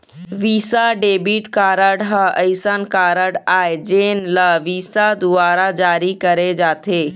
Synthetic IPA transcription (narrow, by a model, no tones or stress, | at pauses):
ʋiːsaɖeːbiʈkaːɾəɽɦəəɪsənkaːɾəɽaːed͡ʒeːnləʋiːsad̪ʊaːɾad͡ʒaːɾikəɾed͡ʒaːt̪ʰeː